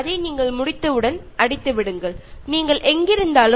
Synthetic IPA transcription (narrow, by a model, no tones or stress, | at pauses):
ɐðɐɪniːŋɡɐɭmʊɽɪt̪ːɐʋɯɽɐnʔɐɽɪt̪ːɯʋɪɽɯŋɡɐɭniːŋɡɐɭʔɛŋɡɪɾɯnd̪aːlɯ